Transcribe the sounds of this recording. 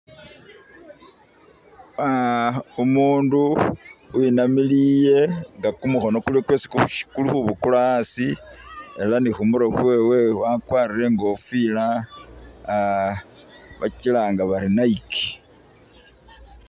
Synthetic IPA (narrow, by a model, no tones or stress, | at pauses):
aumuːnduwinamilije̞ŋɡakumuxo̞no̞kulikwe̞ːsi̥kʃi̥kuluxuβukulaasi | elanixumuɾoxwe̞we̞wakwaːɾiɾe̞ŋɡofila | βa̰cilaŋɡaβaɾinaiki̥